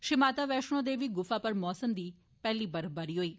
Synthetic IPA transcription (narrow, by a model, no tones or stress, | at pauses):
ʃɪmaːt̪aːʋɛːʃɽ̃õːd̪eːʋiːɡʊfaːpəɾmɔːsəmd̪iː | pɛːliːbəɾbəɾiːɦoːiː